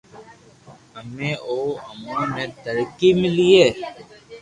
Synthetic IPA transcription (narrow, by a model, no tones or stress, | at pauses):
əmẽːʔoːəmõːnẽːt̪əɾkimɪlieː